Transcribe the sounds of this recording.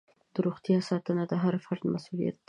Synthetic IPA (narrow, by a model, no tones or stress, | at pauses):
d̪̥əɾoɣt̪jɑsɑt̪ənad̪əɦaɾfaɾd̪masulḭja̰t̪̚ː